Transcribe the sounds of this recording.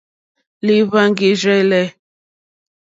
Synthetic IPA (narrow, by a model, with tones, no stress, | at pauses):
li˦βa˦ŋɡi˨ʒɛ˦lɛ˦